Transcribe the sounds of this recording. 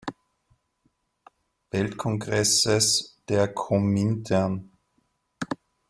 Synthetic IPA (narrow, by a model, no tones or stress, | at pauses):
vɛltkʰɔŋɡʁɛsəsd̥eːɐkʰomintʰɛn